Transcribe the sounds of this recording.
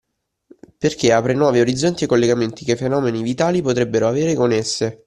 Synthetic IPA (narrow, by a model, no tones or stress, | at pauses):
perkeaːpɾenwɔːvioɾid̪zːont̪iekːolːeɡament̪ikefːenɔːmenivit̪aːlipot̪ɾebːeɾoaveːɾekonesːe